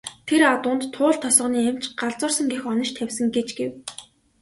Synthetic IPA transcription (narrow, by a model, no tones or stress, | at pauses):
t̪ʰeɾat̪ʊːnt̪ʰːʊːɮt̪ʰːɔsɞ̆niːem̥t͡ɕɢaɮt͡sʊːrsə̆ŋɡexɔnə̆ʃt̪ʰæwʲsə̆ŋɡet͡ɕɡḛw